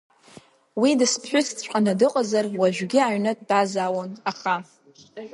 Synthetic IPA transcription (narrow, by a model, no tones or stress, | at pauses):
widɨspʰħʷᶣʊt͡sʰtʰt͡ʃʷʼqʼanadɨqʼazarwaʒᶣɡʲɪaɥnɨtʼb̥azawonaχa